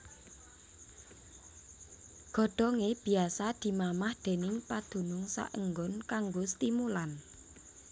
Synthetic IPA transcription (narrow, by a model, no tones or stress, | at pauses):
ɡ̥ɔ̤ɖ̪̥ɔ̤ŋeb̥i̤asad̪̥i̤mamahd̪̥e̤nɪŋpad̪̥ṳnʊŋsa̰ʔəŋɡɔnkaŋɡost̪imulan